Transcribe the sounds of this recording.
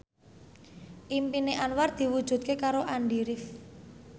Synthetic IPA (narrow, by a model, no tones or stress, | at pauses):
ʔimpineʔanward̪̥i̤wud̥ʒ̥ṳt̪̚kekaɾoʔaɳɖiɾɪf